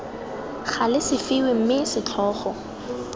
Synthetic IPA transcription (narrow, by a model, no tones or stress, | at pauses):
χalɪsɪfɪwɪm̩mɪsɪt͡ɬʰɔːχɔ